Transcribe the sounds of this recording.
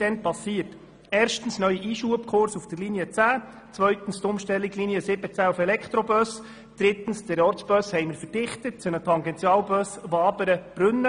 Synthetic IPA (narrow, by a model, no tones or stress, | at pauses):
d̥ɛnpɑsiːərt | eːɾʃtn̩snœʏiʔiːʃuəpkʰʊrsufd̥̪ərliniət͡sæː | t͡sʋœʏt̪n̩st̪ʊmʃtɛlːiɡliniəsɪbət͡sæːufɛlɛkʰt̪ɾɔbœs | d̥ɾɪt̪ən̩sdɛɾɔrsb̥œshɛjməɾfərd̥ɪχt̪ət̚t͡sʊnətʰɑŋɡɛntt͡sjɑːlbœsʋɑːbəɾəb̥ɾɵnːə